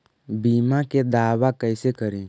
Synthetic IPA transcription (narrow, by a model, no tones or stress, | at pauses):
biːmaked̪aːwakəɪsekəɾĩ